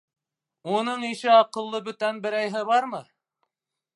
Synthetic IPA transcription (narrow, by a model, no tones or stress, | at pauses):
unɤɴiʃɘɑqɤ̆lˠːɤbɵ̆t̪ænbɘ̆ɾæjɦɘβɑɾmɤ